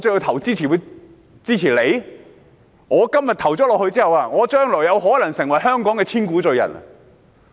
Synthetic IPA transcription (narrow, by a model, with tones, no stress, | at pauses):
t͡sɵ˧ji˧t̪ʰɐ˨˩wt͡siː˥t͡sʰiː˨˩wu˨˧ | t͡siː˥t͡sʰiː˨˩le˨˧j | ŋɔː˨˧kɐ˥mjɐ˨t̪ʰɐ˨˩wt͡sɔː˨˥lɔː˨khɵ˧t͡siː˥hɐ˨waː˧ŋɔː˨˧t͡ʃœː˥ŋlɔː˨˩jɐ˨˧wɦɔː˨˥lɐ˨˩ŋsɪ˨˩ŋwɐ˨˩jɦœː˥ŋkɔː˨˥ŋkɛː˧t͡sʰiː˥nkuː˨˥t͡sɵ˨˧ɥjɐ̰˨˩n̰˨